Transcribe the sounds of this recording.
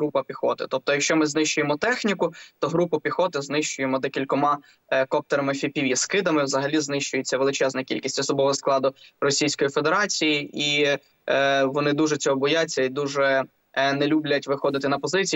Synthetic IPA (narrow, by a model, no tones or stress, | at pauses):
ɾupɐpʲixɔt̪ɪt̪ɔp̚t̪ɔjɐkʃt͡ʃɔmɪznɪʃt͡ʃʊjemɔt̪ɛxnʲikʊt̪ɔɦɾupʊpʲixɔt̪ɪznɪʃt͡ʃʊjemɔd̪ɔkʲilʲkɔmɑ | kɔp̚t̪eɾɐmɪfʲipʲiʋʲiskɪd̪ɐmɪwzɐɦɐlʲiznɪʃt͡ʃʊjet͡sʲːɐʋelˠɪt͡ʃɛznɐkʲḭlʲkʲisʲtʲɔsɔbɔʋɔɔsklˠɑd̪ʊrɔsʲijsʲkɔjifed̪e̞ɾɑt͡sʲijii | ʋɔnɪd̪uʒɛt͡sʲɔɦɔbɔjat͡sʲːɐid̪uʒɛ | nɛlʲublʲɐtʲʋɪxɔd̪ɪt̪ɪnɐpɔzɪt͡sʲ